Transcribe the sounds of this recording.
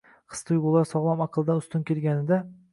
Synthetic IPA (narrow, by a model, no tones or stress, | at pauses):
qʰɨ̥st̪ʰʊjbolˠaɾsɒʁlˠamɑqʰɨlˠd̪anʊst̪ʊnkʲʰelɡʲanɪd̪a